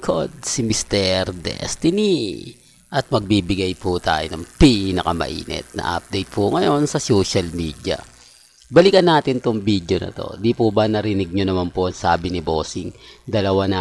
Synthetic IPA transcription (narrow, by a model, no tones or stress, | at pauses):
kʰod̪̚sɪmɪst̪ɛɾd̪ɛ̰st̪ɪni | ʔɐt̪̚mɐɡ̚biːbɪɡɐjput̪a̰ːjonɐŋpinɐkɐmɐ̰ʔḭːnɛ̰t̪̚nɐ̰ʔa̰p̚d̪ɛjt̪̚pʰuŋɐjo̞nsɐso̞ːʃɐlmiːd̪jɐ̰ | bɐlikɐnːaːt̪ɪnt̪oŋbid̪jo̞nɐ̰t̪o̞̰d̪ipubɐnɐɾɪnɪɡ̚ɲonɐmanpoʔɐŋsaːbɪnɪbo̞ːsɪŋd̪ɐlɐwana